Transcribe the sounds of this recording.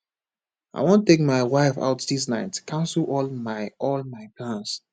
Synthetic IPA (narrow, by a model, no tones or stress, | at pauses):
ʔa̰ɪwõntek̚maɪwaɪfa̰ʊtdis̬naɪtkʰãʊ̃nsəl̩ɔlmaɪɔlmaɪplãns